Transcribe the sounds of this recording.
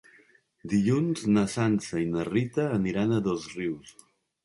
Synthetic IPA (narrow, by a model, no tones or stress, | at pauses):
d̪iʎunznəsansəinərit̪əːniɾanəðozriws